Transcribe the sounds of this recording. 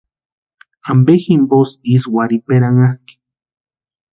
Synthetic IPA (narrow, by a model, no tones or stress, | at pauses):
ambeximbosiswaɾipeɾaŋaki̥